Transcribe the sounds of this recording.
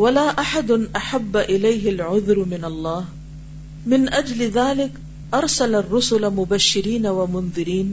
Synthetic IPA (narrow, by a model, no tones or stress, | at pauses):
walaːʔaħad̪ʔaħabːaʔɪlajɦɪlʕʊðɾmɪnɑlˤːɑːh | mɪnʔad͡ʒlɪðaːlɪk | ʔɑɾˤsalarˤːʊsʊlamʊbaʃːɪɾiːnawamʊnðˤɨɾiːn